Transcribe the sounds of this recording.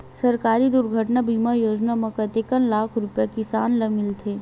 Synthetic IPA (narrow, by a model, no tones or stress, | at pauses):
sɐɾkaːɾid̪ʊɾɡʱəʈnabʱiːmajoːd͡ʒnamɐ̃kɐt̪ekənlaːkʰɾʊpjakɪsaːnlɐmɪlt̪ʰeː